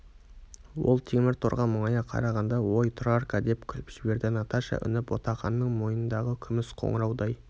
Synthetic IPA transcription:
wo̞̰lˠt̪ʰemɪɾt̪ʰoɾʁɑməɴɑjɑqʰɑ̰ɾɑʁɑnd̪ɑwojt̪ʰrarkad̪e̞p̚kʲʰʏlpʒ̥ɪbe̞ɾd̪ɪnɑt̪ɑʃɑ̰ʔʏ̰nɪpwo̞̰t̪ɑχɑnːəɴmo̞jənənd̪ɑʁəkʲʰʏmɪsqʰo̰ɴəɾɑwd̪ɑj

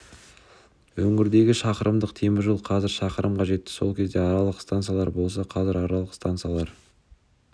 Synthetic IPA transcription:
wɵŋɪɾd̪e̞ɡʲɪʃɑqəɾəmd̪əqt̪ʰe̞mɪʒəlˠqʰɑzɪɾʃɑqəɾəmqʰɑʒe̞t̪ːɪ̥so̞̰lˠkʲezd̪e̞ɑɾɑlˠəqst̪ant̪sɨjalˠɑɾbo̞lˠs̬ɑqʰɑzɪɾɑɾɑlˠəqst̪ant̪sɨjalˠɑɾ

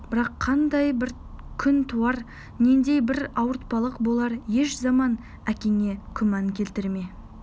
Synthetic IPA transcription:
bɪɾɑqʰːɑnd̪ɑjbɪɾ | kʲʰʏnt̪ʰuɑɾ | ne̞nd̪e̞jbɪɾɑwəɾt̪̚pɑlˠəqbo̞lˠɑɾje̞ʃzɑmɑn | ækʲe̞ŋʲe̞kʲʰʏmɑŋkʲʰe̞lt̪ɪɾme

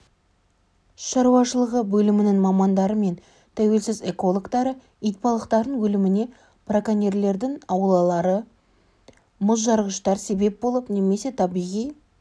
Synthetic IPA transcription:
ʃɑɾuɑʃəlˠəʁəbɵlɪmɪnɪŋmɑmɑnd̪ɑɾəme̞n | t̪ʰæwe̞lsɪze̞ko̞lˠokt̪ɑɾə | ijt̪̚pɑlˠəqt̪ɑɾd̪ənwɵlɪmɪne̞ | prakanʲerle̞ɾd̪ɪŋɑwlˠɑlˠɑɾə | mʊzʒɑɾʁəʃt̪ɑɾse̞be̞p̚bo̞lˠəpneme̞se̞t̪ʰɑbijʁij

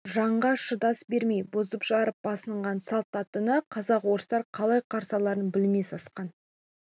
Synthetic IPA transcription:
ʒɑɴʁɑʃəd̪ɑsbe̞ɾme̞jbozəpʒɑɾəp̚b̥ɑsəɴʁɑnsɑlˠt̪ːɑt̪ənəqʰɑzɑqwo̞ɾəst̪ɑɾqʰɑlˠɑjqʰɑɾsɑlˠɑɾənbɪlme̞sɑsqɑn

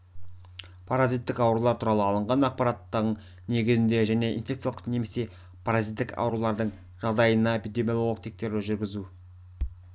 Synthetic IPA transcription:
pʰaɾazijt̪ːɪkɑwɾulˠɑɾt̪ʰuɾɑlˠəɑlˠəɴʁɑnɑq̚pɑɾat̪ːɑɾəɴ | ne̞ɡʲɪzɪnd̪e̞ʒæne̞ʔḭnfʲekt̪sjalˠqne̞me̞se̞ | pʰaɾazijt̪ːɪkɑ̰wɾulˠɑɾd̪əɴ | ʒɑʁd̪ɑjənɑepid̪e̞mʲijolˠolˠəq̚t̪ʰe̞k̚t̪e̞ɾlɪʒʏɾɡʲɪzu

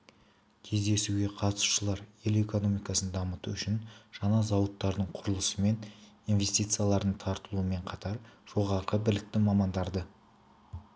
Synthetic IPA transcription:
kʲʰe̞zd̪e̞suɡʲe̞qʰɑt̪əsu̥ʃəlˠɑɾje̞le̞ko̞no̞mijkɑsənd̪ɑmət̪uʏʃɪnʒ̥ɑnɑzɑwət̪ːɑɾd̪əɴqʰʊɾəlˠəsəme̞n | inve̞st̪ijt̪sɨjɑlˠɑɾd̪əɴt̪ʰɑɾt̪əlˠuəme̞ɴqʰɑt̪ɑɾʒ̥o̞ʁɑɾqəbɪlɪk̚t̪ɪmɑmɑnd̪ɑɾd̪ə

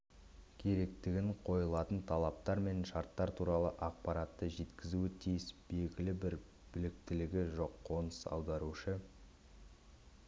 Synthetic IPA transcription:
kʲʰe̞ɾe̞k̚t̪ɪɡʲɪɴqʰo̞jəlˠɑt̪ənt̪ʰɑlˠɑp̚t̪ɑɾme̞nʃɑɾt̪ːɑɾt̪ʰuɾɑlˠəʔɑq̚pɑɾɑt̪ːəʒe̞t̪kʲɪzuɪt̪ʰijɪsb̥e̞ɡʲɪlɪbɪɾ | b̥ɪlɪk̚t̪ɪlɪɡʲɪʒo̞qʰːo̞nəsɑ̰wd̪ɑɾuʃə

